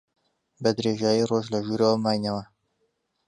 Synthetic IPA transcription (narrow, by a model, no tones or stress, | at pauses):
bɐd̪ɾeːʒaːjiroʒlɐʒuːɾəwɐmaːjnɐwɐ